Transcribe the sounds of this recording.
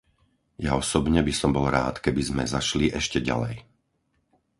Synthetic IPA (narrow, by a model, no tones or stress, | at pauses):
ja̰ɔsɔbɲɛbisɔmbɔlɾa̰ːt̪kɛbizmɛzaʃliʔɛʃcɛɟa̰lɛ̰j